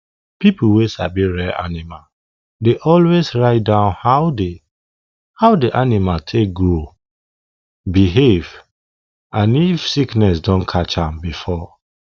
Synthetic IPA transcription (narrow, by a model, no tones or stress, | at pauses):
pipl̩wesabiɹɛʔa̰nimal | deʔɔlwesɹaɪt̚dãʊ̃nhaʊde | haʊdeʔanimaltʰek̚ɡɹo | biɦev | ʔãnifsiknɛs̬dɔ̃nkʰat͡ʃãmbifɔ